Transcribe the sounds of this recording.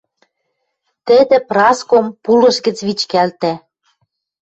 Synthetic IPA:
t̪ɘ̆d̪ĕprɑskompulɤ̆ʃɡə̆t͡sβit͡ɕkælt̪æ

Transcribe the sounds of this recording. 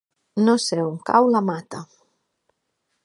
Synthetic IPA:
nɔseumka̰wlamat̪a

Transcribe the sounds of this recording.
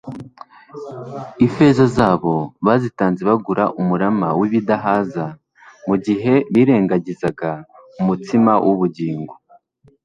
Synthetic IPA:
ife̞zazaːβo̞βaːzitaːnzeβaɡuɾaʔumuɾamawiβidaɦaːza | muɟiɦe̞βiːɾe̞ːŋɡaɟizaɡaumutimawʔuβuɟiːŋɡo

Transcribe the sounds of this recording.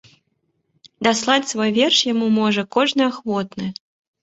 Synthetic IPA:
d̪aslˠat͡sʲsvɔjvʲɛrʂjamumɔʐɐkɔʐnɨaxvɔt̪̚nɨ

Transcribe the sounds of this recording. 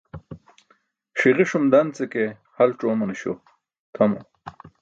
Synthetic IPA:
ʂiʁiʂumd̪ant͡seke | hɐlʈ͡ʂoːmɐniɕo̰ | t̪ʰɐmo

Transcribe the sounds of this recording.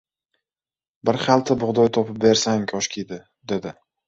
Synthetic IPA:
bɪɾχalˠt̪ʰɪbʊʁd̪ɒjt̪ʰɒpɪp̚be̞ɾsaŋkʲʰɒʃkʲʰid̪ɪ | d̪e̞d̪ɪ

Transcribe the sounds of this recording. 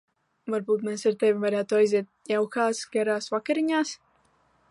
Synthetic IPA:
vaɾbuːt̪mesaɾt̪evivaɾæːt̪uajziɛt̪̚jawkaːsɡʲɛɾaːsvakeɾiɲaːs

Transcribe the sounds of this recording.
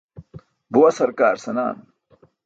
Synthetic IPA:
bowɐsɐɾkaːɾsɐna̰ːn

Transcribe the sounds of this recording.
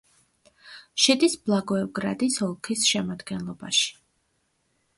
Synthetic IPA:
ʃɛd̪isblˠaɡɔɛvɡɾa̰d̪isɔlˠkʰisʃɛmad̪ɡɛnlˠɔba̰ʃi̥

